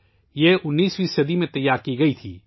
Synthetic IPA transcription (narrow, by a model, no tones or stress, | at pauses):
jeʔʊnːiːsʋisɐd̪imẽt̪ɐjːaːɾkiɡɐit̪ʰiː